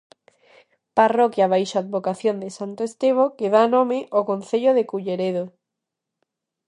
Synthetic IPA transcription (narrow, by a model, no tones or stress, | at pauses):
parokjaβ̞ajʃoaðβokaθjond̪esant̪oest̪eβ̞okeðaːnõmeʔokõn̟θeʎoðekuʎeɾeðo